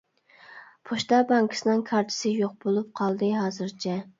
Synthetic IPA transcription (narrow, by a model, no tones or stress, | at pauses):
pʰoʃt̪ɑbɑŋkʰɪ̥sɨnɨŋkʰɑɾt̪ʰɪ̥sɪjoq̚bolˠup̚qʰɑlˠd̪ɨɦɑːzɨɾt͡ʃʰɛ